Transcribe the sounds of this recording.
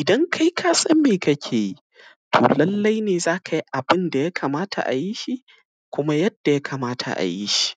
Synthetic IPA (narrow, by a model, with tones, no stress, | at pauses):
ʔɪ˨dɐ˦ŋkʰa˦jkʰaː˦sɐ˦mːeː˨kɐ˦kʲʰeː˨ji˦ | tʰo̰ː˨lɐ˦lːa˦jneː˨zaː˦kʰa˨ji˦ʔa˨bɪ˦nda˨ja˦kʰaː˨maː˦tʰa̰˨ʔa̰˨ji˦ʃi˦ʔ | kʷʊ˦ma˦jɐ˦d̥ːa˨ja˦kʰaː˨maː˦tʰa̰˨ʔa̰˨ji˦ʃi̥˦ʔ